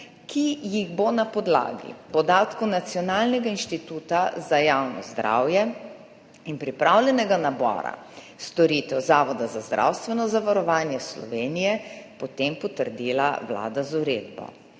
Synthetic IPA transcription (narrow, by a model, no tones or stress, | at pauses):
kʰijiɣbonapɔd̪la̰ːɡḭpɔd̪aːt̪kɔwnat̪sjɔnaːlnɛɡainʃt̪it̪uːt̪azajawnɔ̰zd̪ɾa̰wjɛ | inpɾipɾawljɛnɛɡanabɔ̰ːɾa̰ | st̪ɔɾiːt̪ɛwzaːʋɔd̪azazd̪ɾʔa̰wst̪ʋɛnɔzaʋaɾɔʋaːnjɛslɔ̰ʋeːnijɛpɔt̪empɔt̪əɾd̪iːla̰ʋla̰ːd̪azuɾeːd̪bɔ̰